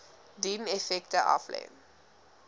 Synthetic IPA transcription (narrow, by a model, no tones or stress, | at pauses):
dimɛfɛktəʔɑ̰flḛːn